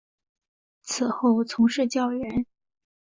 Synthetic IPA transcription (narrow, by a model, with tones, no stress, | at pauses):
t͡s̩ʰ˨˩xo˥˩ʊt͡sʰʊ˧˥ŋʂɻ̩˥˩t͡ɕjɑ˥ʊɥɛ˧˥n